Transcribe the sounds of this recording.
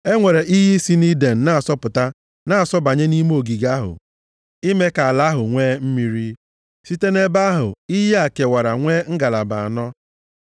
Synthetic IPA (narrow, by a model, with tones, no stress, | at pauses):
e˦ŋʷe˨ɾe˨ʔi˦ɦi˦si˦ni˦de˨n̩˨na˦a˨sɔ˦pʊ˨ta˦ | na˨a˨sɔ˦ba˨ɲe˦ni˦m˦o˨ɡi˨ɡa˦ɦʊ̰˨ | i˦me˦ka˨a˨la˦ɦʊ˨ŋʷeː˦m̩˦mi˦ɾi˦ | si˦te˦ne˦ba˦ɦʊ̰˨i˦ɦe˦a˨ke˨wa˨ɾa˨ŋʷe˦ŋ̩˦ɡa˨la˨ba˨a˨nɔ˦